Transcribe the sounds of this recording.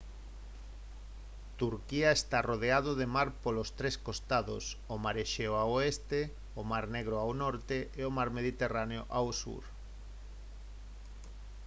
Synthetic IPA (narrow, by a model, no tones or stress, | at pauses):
t̪uɾkiaest̪aroð̞eað̞oðemaɾpolost̪ɾeskost̪aðo̰somaɾeʃeoaoest̪e | omaɾneɣ̞ɾoawnɔɾt̪eeomaɾmeðit̪eraneoʔawsṵɾ